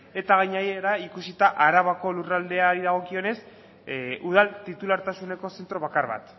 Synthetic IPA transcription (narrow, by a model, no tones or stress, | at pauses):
e̞t̪aɣajɲajeɾaikusit̪aʔaɾaβako̞lurald̪e̞aɾiðaɣ̞o̞kio̞ne̞s | uð̞alt̪it̪ulaɾt̪asune̞ko̞se̞nt̪ɾo̞β̞akaɾβa̰t̪